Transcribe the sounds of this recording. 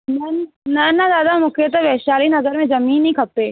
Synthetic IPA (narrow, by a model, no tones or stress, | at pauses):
nɐnnɐnːad̪aːd̪amʊkʰeət̪eʋeːʃaːlinɐzəɾmẽd͡ʒɐmĩːnːĩkʰɐp̚t̪eː